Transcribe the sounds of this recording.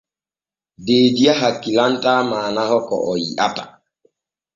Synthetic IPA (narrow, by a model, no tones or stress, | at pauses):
deːdiaɦakːilantaːmaːnahɔkɔ̰ʔɔjḭʔatḁ